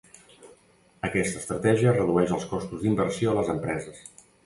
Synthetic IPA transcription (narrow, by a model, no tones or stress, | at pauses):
əkɛst̪əːst̪ɾət̪ɛʒiərəðuɛʃəlˠskɔst̪uzd̪imbərsioələzəmpɾɛzəs